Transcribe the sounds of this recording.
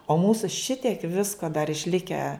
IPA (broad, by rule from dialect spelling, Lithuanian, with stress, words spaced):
oː ˈmuːsʊ ˈʃʲɪtʲiɛk ˈʋʲɪskoː dɐr ɪʃʲˈlʲɪkʲæː